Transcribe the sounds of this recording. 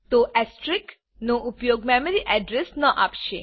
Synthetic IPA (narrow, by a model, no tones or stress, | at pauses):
t̪oʔɛsʈɾik | noʔupjoːɡmɛmeɾiʔɛɖɾesnəʔapʃe